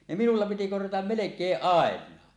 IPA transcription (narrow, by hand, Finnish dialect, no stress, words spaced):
ne minulːɑ piti korjɑtɑm melekˑeːʔ ʔɑˑenˑɑː